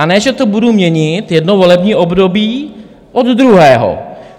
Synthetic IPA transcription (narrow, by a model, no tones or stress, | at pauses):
anɛːʒɛt̪o̞budumɲɛɲɪt̪jɛdnovo̞lɛbɲiːʔo̞bdo̞biː | ʔo̞d̪d̪ɾuɦɛːɦo̰